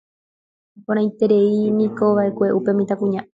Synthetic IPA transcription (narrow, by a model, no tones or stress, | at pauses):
põɾ̃ãj̃t̪e̞ɾe̞inĩko̞ʋaʔe̞kʷe̞ʔupe̞mĩt̪akũɲã